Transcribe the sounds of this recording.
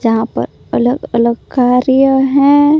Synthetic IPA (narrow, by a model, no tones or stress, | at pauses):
d͡ʒɐɦãpɐ̰ɾ | ɐləɡɐləɡkaːɾjəɦɛ̃